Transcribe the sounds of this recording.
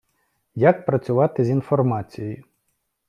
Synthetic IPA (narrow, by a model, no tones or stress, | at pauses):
jak̚pɾɐt͡sʲʊʋɑt̪ɪzʲinfɔrmɑt͡sʲijjiʊ